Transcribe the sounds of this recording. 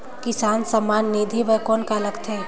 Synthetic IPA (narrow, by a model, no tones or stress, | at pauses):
kɪsaːnsəmaːnːid̪ʱiʋəkɔːnkaləɡt̪ʰe